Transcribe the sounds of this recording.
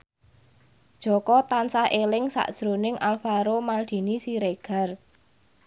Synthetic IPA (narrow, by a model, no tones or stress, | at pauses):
d̥ʒ̥ɔ̤kɔt̪ansaʔelɪŋsa̰ʔd̥ʒ̥ɾo̤nɪŋʔalfaɾomald̪̥i̤nisiɾeɡ̥a̤r